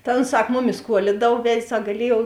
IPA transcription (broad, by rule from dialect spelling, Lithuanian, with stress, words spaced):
tɐ oːns ˈsɐk ˈmʊˌmʲɪs ˈkuɔlʲɪdɐw ˈʋʲɛtʲ ˈsɐk ɡɐˈlʲiɛjuɔw